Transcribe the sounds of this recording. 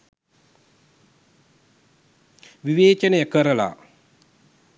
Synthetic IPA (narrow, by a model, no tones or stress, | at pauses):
ʋiʋeːt͡ʃənəjəkəɾəla̰